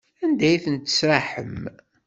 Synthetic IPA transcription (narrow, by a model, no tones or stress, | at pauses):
ænd̪æjiθənt̪ːə̥sɾˤaħə̰m